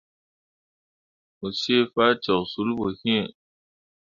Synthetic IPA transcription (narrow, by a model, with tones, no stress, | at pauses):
o˨se˦fa˦t͡ʃɛ˨su˨˦lbo˨hĩ˦˨